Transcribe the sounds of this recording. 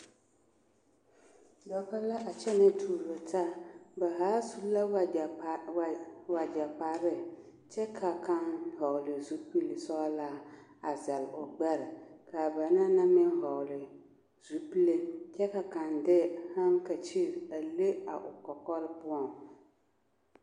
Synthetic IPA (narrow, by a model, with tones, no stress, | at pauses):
dɔ˦ka˦la˦ʔa˨t͡ʃɛ˦nɪ˦tʰuː˨ɾo˨ta˦ba˨ɦaː˨˦su˦la˦˨ | wa˨d͡ʒa˨pa˨ɾɪ˦ | t͡ʃɛ˦kʰa˨ka˦nɦɔ˨ʊ˨lɪ˨zu˦pi˦lɪ˨sɔ˦laː˦a˨za˨lʔʊ˨ɡ͡bɛ˦ɾɪ˨ka˨ba˨na˦na˦mɪ˦nɦɔ˨lɪ˨ | zu˨pi˦le˦t͡ʃɛ˦ka˨ka˨ndɪ˦ha˦ŋka˨t͡ʃi˦˨ɾa˨le˦a̰˨ʔʊ˨kɔ˨kɔ˦ɾɪ˦pʊ˦ɔ˨ŋ